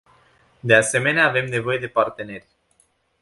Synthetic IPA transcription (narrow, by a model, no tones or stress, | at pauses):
d̪e̞ase̞me̞neaːve̞mne̞vo̞je̞d̪e̞part̪e̞ne̞rʲ